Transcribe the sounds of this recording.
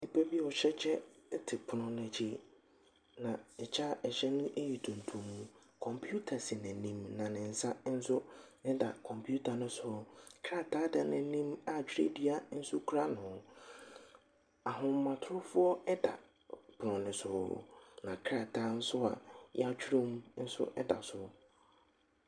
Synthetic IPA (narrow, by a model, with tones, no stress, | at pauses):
ni˨pʰa˦bi˦ɔ˨ɕɛ˦t͡ɕʰɛ˦tʰɪ˨pʰʊ˨nʊ̃˨n˨ɛ̃˨t͡ɕʰi˦ | nã˨ɛ˨t͡ɕʰa˦ɛ˨ɕɛ˦nʊ̃˦ʔe˦ji˨tʰũ˨n˨tʰũ˨mũ˨ | kʰɔ̃˨mpʰu˦tʰa˨sɪ˨nɛ̃˨nĩ˨mnã˨nɪ̃˨n̩˨sa˦n̩˦sʊ˦nɪ̃˦da̰˨kʰɔ̃˨mpʰu˦tʰa˨nʊ̃˦sʊ˨kʰɾa˦tʰaː˦da˨nɛ̃˨˦nĩ˦ma˨t͡ɕʰᶣɾḛ˦di˦a˨n̩˦sʊ˦kʰu˦ɾa˦nʊ̃˨ | a˨ɦʊ̃˦m˦mːã˨tʰʊ˦ɾʊ˦fʊ˦ɔ˦ɛ˦da̰˨ | bʊ˨ɔ̃˨nɪ̃˨sʊ̰˨nã˨kʰɾa˦˨tʰa˦n̩˦sʊ˦a̰˨ja˦t͡ɕʰᶣɾũ˦m˦n̩˦sʊ̰˦ʔɛ˦da̰˨sʊ˨